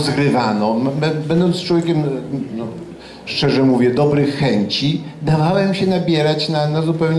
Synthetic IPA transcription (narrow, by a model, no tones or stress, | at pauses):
zɡɾɘvanɔmɛbɛnd̪ɔnt̪t͡ʂwɔvʲjekʲɛmnɔ | ʂt͡ʂɛʐɛmuvʲjɛd̪ɔbɾɘxːɛɲt͡ɕid̪avawɛmɕɛnabʲjɛɾat͡ɕnanazupɛwɲ